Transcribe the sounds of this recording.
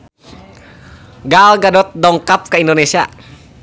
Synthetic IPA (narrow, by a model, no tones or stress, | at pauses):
ɡalɡadɔt̪̚dɔŋkap̚kaindonesia̰